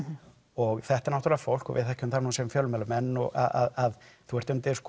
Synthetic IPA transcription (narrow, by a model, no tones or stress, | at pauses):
ɔɣθɛht̪aɾnawt̪ɾlafowl̥kɔ̰vɪðθajhcʏʏmnθaɾnuːnsɛmfjœlʏmɛlʏmɛnːɔɣa̰a̰ðaðθuɛɾ̥t̪ʏnt̪ɪɾ̥sk